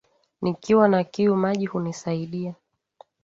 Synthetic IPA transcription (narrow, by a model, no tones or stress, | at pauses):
nikiwanakiumaʄihunisaiɗia